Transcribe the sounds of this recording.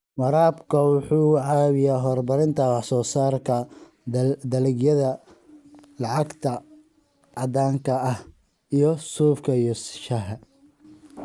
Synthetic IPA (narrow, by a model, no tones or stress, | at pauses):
wɑɾaːbkʰɐwʊħuːʕɑːβɪjaːɦɔrbɐɾɪnt̪ʰɐwɑħsɔːsaːrkʰɐ | d̪ɐlɪɡjɐðɐ | lɑʕɑɡt̪ʰɐ | ʕɑd̪aːŋkʰɐɐh | ijɞsuːfkʰɐjɔsʃɐɦɐ